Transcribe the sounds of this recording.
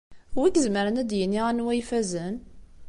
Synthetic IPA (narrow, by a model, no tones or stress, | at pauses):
wækzməɾənæd̪jənːiʁænwæjfæzən